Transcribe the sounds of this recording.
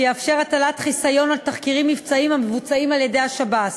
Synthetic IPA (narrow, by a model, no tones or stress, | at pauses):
jeafʃe̞ʁatalat̪χisajo̞naltaχkiʁimːivt͡saimhamevut͡saimalje̞de̞jaʃabat